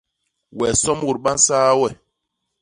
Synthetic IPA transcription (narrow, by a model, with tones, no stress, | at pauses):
wɛ˨sɔ˦mwu˨ɾɓa˦n˦saː˦wɛ˨